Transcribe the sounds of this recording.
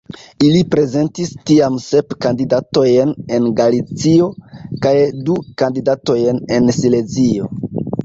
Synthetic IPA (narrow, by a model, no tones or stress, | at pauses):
ilipɾe̞ze̞ntistiamse̞pkandidato̞jne̞nɡalit͡sio̞kajdukandidato̞jne̞nsile̞zio̞